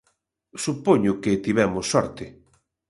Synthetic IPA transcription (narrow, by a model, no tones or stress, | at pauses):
supoɲʊkɪt̪iβɛmʊsːɔɾt̪ɪ